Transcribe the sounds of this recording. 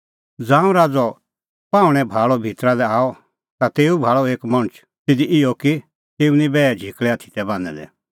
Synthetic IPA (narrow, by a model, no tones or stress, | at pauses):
d͡zãːũɾaːd͡zɔ | paːũɽ̃ɛ̃bʱaːɭɔbʱit̪ɾalɛaːɔ | t̪at̪eːubʱaːɭɔeːkmɐ̃ət͡ʃ | t̪ɪd̪iɪɔki | t̪eːunĩbɛːɛd͡ʒʱikɭɛat̪ʰi̥t̪ɛbãːnɛ̰d̪ɛ̰